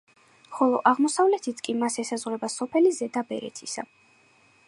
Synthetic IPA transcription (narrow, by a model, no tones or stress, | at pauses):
χɔlˠɔʔaʁmɔsavlɛt̪ʰit̪ʰkʼimasɛsazʁwɾɛbasɔpʰɛlizɛd̪abɛ̰ɾɛ̰t̪ʰisa̰